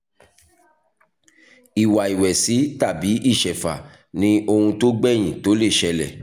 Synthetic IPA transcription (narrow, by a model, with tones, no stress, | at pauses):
i˨wa˨i˨wɛ˨si˨˦ta˦˨bi˨˦ʔi˦˨ʃɛ˨fa˨ | nĩ˦o˧hũ˧to˦ɡ͡bɛ˦˨j̃ĩ˨to˨˦le˦˨ʃɛ˧lɛ̰˨